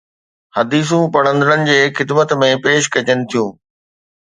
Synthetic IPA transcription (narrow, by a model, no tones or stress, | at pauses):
hɐd̪iːs̬ũpɐɽ̃ə̃nd̪əɾənɪ̆d͡ʑeːxɪd̪mət̪mẽpeːʃkɐt͡ɕənɪ̆t̪ʰijũː